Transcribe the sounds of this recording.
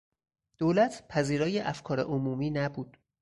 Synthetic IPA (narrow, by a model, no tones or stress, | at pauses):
d̪̥oːlæt̪ʰpʰæziːɾɒːjeʔæfkʰɒːɾḛʔomuːmiːnæbuːd̪̥